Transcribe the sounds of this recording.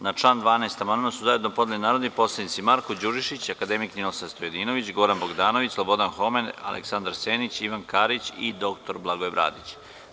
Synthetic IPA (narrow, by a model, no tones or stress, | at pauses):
nat͡ʂlˠand̪ʋaːnaːst̪amanunasuzaje̞d̪no̞pod̪elinaːɾod̪ipo̞slˠed̪nit̪simaɾkod͡ʑuʒiʃit͡ɕakad̪emikninosanst̪ojed̪ino̞ʋit͡ɕɡo̞ɾanbo̞ɡd̪aːno̞ʋit͡ɕslˠobo̞d̪anxo̞mena̰lḛksand̪aɾseːnit͡ɕiʋankaɾit͡ɕid̪o̞k̚t̪o̞ɾblˠaɡoebɾa̰ːd̪it͡ɕ